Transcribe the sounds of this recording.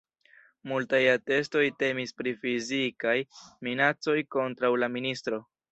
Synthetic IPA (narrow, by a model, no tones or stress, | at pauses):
multajate̞sto̞jte̞mispɾifizikajminat͡so̞jko̞ntɾawlaministɾo̞